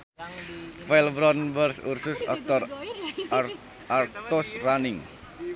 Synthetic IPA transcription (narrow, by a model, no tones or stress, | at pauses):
fɛlbɾɔnbərsursʊsɔ̰k̚t̪ɔr | art̪ʊsranɪŋ